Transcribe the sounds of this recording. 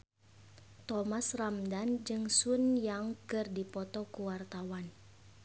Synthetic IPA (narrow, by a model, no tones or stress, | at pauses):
t̪ɔmasramdand͡ʒɨŋsunjaŋkɨrdipɔt̪ɔkuwart̪awan